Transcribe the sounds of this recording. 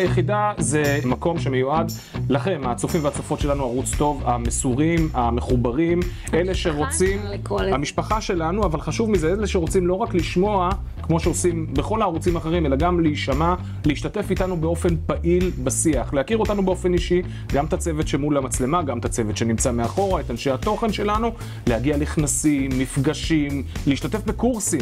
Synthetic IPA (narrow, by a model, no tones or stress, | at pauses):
jeχid̪azemako̞mʃe̞mejuad̪ | laχe̞mat͡sofimveat͡sofo̞t̪ʃe̞lanuaʁut͡st̪o̞vamesuʁimameχubaʁime̞le̞ʃe̞ʁo̞t͡sim | hamiʃpaχaʃe̞lanuavalχaʃuvmizeeleʃeʁo̞t͡simlo̞ʁakliʃmo̞a | kmo̞ʃeosimbe̞χo̞laːʁut͡simaχe̞ʁime̞laɡamleiʃama | leiʃt̪at̪efit̪anube̞o̞fe̞npaʔilbasiaχlehakiʁo̞t̪anubeo̞fe̞niʃi | ɡamt̪at͡se̞vet̪ʃe̞mulamat͡sle̞maɡamt̪at͡se̞vet̪ʃe̞nimt͡sameaχo̞ʁaet̪anʃeat̪o̞χe̞nʃe̞lanu | lehaɡialeχnasimːifɡaʃimleiʃt̪at̪e̞fbekuʁsim